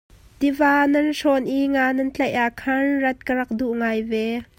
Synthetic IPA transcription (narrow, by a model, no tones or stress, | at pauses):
t̪ivaːnɐnʂɔnʔiŋaːnɐnt͡ɬɐʔʔaːʔkʰɐnrɐt̪̚kəɾɐk̚duʔŋaːjvɛ